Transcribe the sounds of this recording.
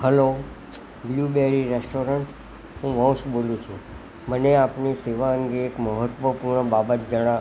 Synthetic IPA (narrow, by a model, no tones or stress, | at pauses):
həlo | blubeɾiɾesʈoɾəɳʈ | ɦũʋə̃wʃbolũt͡ʃʰũ | məneapniseʋaəŋɡeːkməɦət̪ʋəpuɾɳəbabət̪̚d͡ʒəɽ̃ã